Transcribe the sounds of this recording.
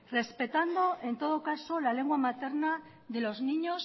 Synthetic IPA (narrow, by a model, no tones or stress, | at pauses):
re̞spe̞t̪and̪o̞ʔe̞nt̪o̞ð̞o̞kaso̞lale̞ŋɡwamat̪e̞ɾna | ðe̞lo̞znĩɲo̞s